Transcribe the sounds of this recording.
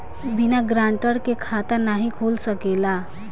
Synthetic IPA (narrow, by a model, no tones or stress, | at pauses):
binaɡɾaɳʈəɽkekʰat̪anaɦikʰolsəkela